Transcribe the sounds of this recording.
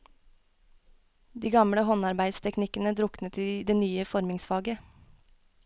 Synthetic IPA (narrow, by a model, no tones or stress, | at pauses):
d̪iːɡɑmɽəɦɔnɑɾbæɪst̪ʰɛknɪkənəd̪ɾʊknət̪id̪eːnyːəfɔɾmɪŋsfɑːɡə